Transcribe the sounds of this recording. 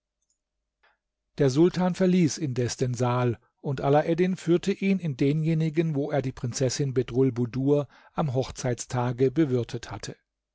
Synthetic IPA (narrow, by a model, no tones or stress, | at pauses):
d̥eːɐzʊltʰaːnfɛɐliːsɪndɛsd̥eːnzaːl | ʔʊntʔalaʔɛdɪnfyːɐtʰəʔiːnɪndeːnjeːnɪɡənvoːeːɐdiːpʁ̥ɪnt͡sɛsɪnbedʁʊlbuduːɐ | ʔamɦɔχt͡saɪtt͡stʰaːɡəbəvʏɐtʰəthatʰə